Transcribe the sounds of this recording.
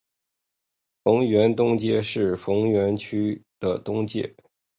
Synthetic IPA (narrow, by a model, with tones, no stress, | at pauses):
fɤ˧˥ŋɥɛ˧˥nt̪ʊ˥ŋt͡ɕjɛ˥˧ʂɻ̩˥˩fɤ˧˥ŋɥɛ˧˥nt͡ɕʰy˥d̪̥ə˨t̪ʊ˥ŋt͡ɕjɛ̰˥˩